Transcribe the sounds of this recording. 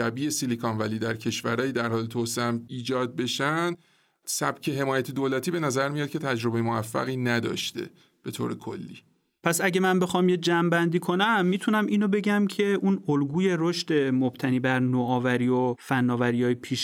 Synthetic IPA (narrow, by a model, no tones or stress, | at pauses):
ʃæbiːesilikʰɒnvæliːd̪æɾcʰe̞ʃvæɾɒːjid̪æɾhɒːlet̪ʰoseæmiːd͡ʒɒːd̪̚be̞ʃænd̪ | sæb̥cʰe̞ɦe̞mɒːjæt̪ʰed̪oːlæt̪ʰiːbe̞næzæɾmijɒt̪̚cʰe̞t̪ʰæd͡ʒɾobe̞jemovæfːæ̰ɣiːnæd̪ɒ̰ːʃt̪e̞̰ | b̥e̞t̪ʰo̰ːɾekʰo̰lːḭː | pʰæsæɟemænbe̞xɒːmjed͡ʒæmbænd̪iːkʰo̞næmːiːt̪ʰunæmʔiːnobe̞ɟæmcʰe̞ʔunolɡuːje̞ɾoʃt̪e̞mob̥t̪ʰæniːbæɾnoɒːvæɾiːofænːɒːvæɾijɒːjepʰiːʃ